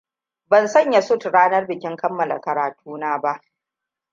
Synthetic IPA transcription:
bɐ˨nsɐ˦˨ɲjɐ˨sʊ˦˨tɽaː˦nɐ˦rbɪ˨kʲɪ˦ŋkɐ˦mːɐ˨la̰˨kɐ˨ɾaː˨tʰuː˦naː˦ba˦ʔ

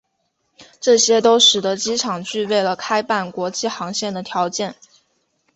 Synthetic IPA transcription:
ʈ͡ʂɤ˥˩ɕjɛ˥t̪o˥ʊʂɻ̩˨˩d̪ə˧˦t͡ɕi˥ʈ͡ʂʰɑ˨˩ŋt͡ɕy˥˧we˥˩ɪlə˩kʰa˥ɪpa˥˩nkwɔ˧˥t͡ɕi˥˩xɑ˧˥ŋɕjɛ˥˩nd̪ə˩t̪ʰjɑ˧˥ʊt͡ɕjɛ˥˩n

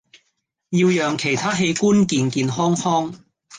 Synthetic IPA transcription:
jiː˧wjœː˨ŋkʰe˨˩jt̪ʰaː˥ɦe˨˧jkuː˥nkiː˨˧nkiː˧nhɔː˥ŋhɔː˥ŋ

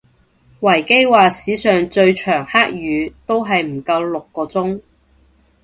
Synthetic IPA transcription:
wɐ˨˩jke˥jwaː˨siː˨˥sœː˨ŋt͡ʃɵ˧ɥt͡ʃʰœː˨˩ŋhaː˥k̚jyː˨˧t̪o˥wɦɐ˨jm̩˨˩kɐ˧wlʊ˨kːɔː˧t͡sʊ˥ŋ

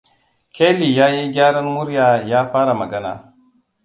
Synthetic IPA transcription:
kʰʲeː˦li˨jaː˦ji˦ɡʲaː˦ɽɐ˦nmʊ˦ɾjaː˨jaː˦ɸaː˦ɽa˨mɐ˨ɡɐ˦na̰ː˨

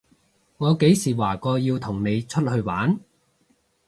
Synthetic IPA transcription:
ŋɔː˨˧ke˨˥jsiː˨˩waː˨˩kɔː˧jiː˧wt̪ʰʊ˨˩ŋne˨˧jt͡ʃʰɵ˥t̚hɵ˧ɥwa̰ː˨˥n

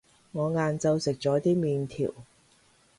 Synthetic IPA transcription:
ŋɔː˨˧ŋaː˨˧nt͡sɐ˧wsɪ˨k̚t͡sɔː˨˥t̪iː˥miː˨˧nt̪ʰḭː˨˩w

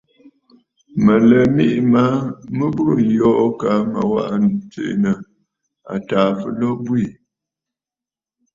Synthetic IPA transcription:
mə˨lə˨mi˦ʔma˨˦mə˦bu˦˨n˨jɔ˦ʔka˨˦ma̰˨wa̰˦ʔn˨t͡sḛ˨nə˨ | a̰˨taː˨fə̰˨lɔ˦bwi˨

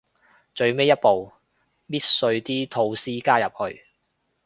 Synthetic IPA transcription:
t͡ʃɵ˧ɥme˥jɐ˥t̚po˨w | miː˥t̚sɵ˧ɥt̪iː˥t̪ʰo˧wsiː˥kaː˥jɐ˨p̚hɵ˧ɥ

